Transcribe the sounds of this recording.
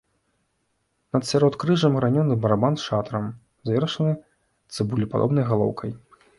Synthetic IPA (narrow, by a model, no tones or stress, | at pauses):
nɐt̪sʲaɾɔt̪kɾɨʐɐmɣɾanʲɔnːɨbɐɾabansʂat̪ɾɐm | zvʲɛɾɐʂɐnɨ | t̪sɨbulʲipad̪ɔ̰bnɐjɣalˠɔ̰wkʰɐj